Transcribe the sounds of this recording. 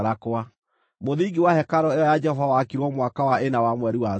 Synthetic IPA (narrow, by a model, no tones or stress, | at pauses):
ɾakoa | moðiɡiwahɛkaɾɔeɔjad͡ʒɛhɔvawakiɾwɔmwakawaʔenawamwɛɾiwa